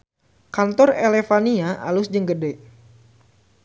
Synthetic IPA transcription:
kant̪ɔrelefaniaʔa̰lʊsd͡ʒəŋɡədɛʔ

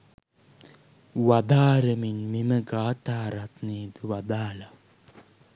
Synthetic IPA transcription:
ʋad̪aːɾəminmiməɡaːʈaːɾat̪neːd̪uʋad̪aːla

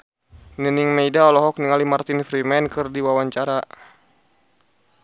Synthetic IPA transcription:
nəniŋmɛidaɔlɔɦɔk̚niŋalimart̪infɾimɛnkɨrdiwawaɲt͡ʃaɾa

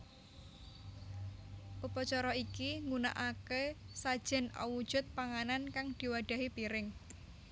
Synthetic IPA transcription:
pupɔt͡ʃɔɾɔikiŋuna̰ʔakesad̥ʒ̥ɛ̤nɔ̰wud̥ʒ̥ʊ̤t̪̚paŋanankaŋd̪̥i̤waɖ̪̥ä̤ɦipiɾɪŋ

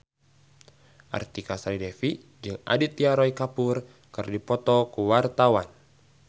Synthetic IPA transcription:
ʔa̰rt̪ikasaɾidɛfi | d͡ʒɨŋa̰dit̪iaɾɔikapur | kɨrdipɔt̪ɔkuwart̪awan

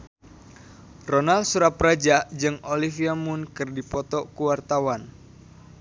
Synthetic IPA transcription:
ronalsuɾaprad͡ʒaʔd͡ʒɨŋʔolifiamunkɨrdipɔt̪ɔkuwart̪awan

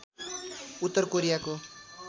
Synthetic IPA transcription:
ut̪ːʌrkoɾijako

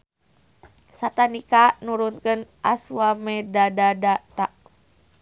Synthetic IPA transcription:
sat̪anikanuɾunkənʔasuwamɛdadadat̪aʔ

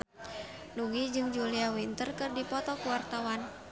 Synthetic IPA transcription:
nuŋɡid͡ʒɨŋd͡ʒuliawint̪ərkɨrdipɔt̪ɔkuwart̪awan

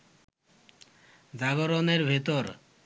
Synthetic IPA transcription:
d͡ʑaɡɔɾoneɾbʱit̪oɾ

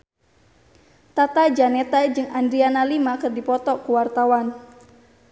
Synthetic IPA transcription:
t̪at̪ad͡ʒanɛt̪ad͡ʒɨŋandɾianalimakɨrdipɔt̪ɔkuwart̪awan

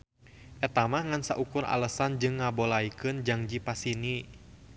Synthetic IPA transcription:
ʔɛt̪amahŋansa̰ʔukuɾa̰ləsand͡ʒɨŋːabolaikɨnd͡ʒaŋd͡ʒipasini

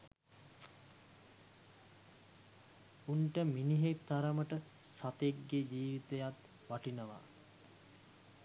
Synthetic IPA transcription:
uɳʈəminiɦekt̪aɾəməʈə | sat̪ekɡed͡ʒiːʋit̪ejat̪ | ʋaʈinəʋa̰

